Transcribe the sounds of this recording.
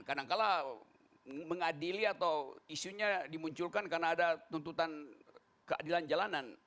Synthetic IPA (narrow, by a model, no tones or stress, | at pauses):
kadaŋkala | məŋadiliat̪awisuɲadimuɲt͡ʃulkankarnaːdat̪unt̪ut̪an | kəa̰diland͡ʒalanan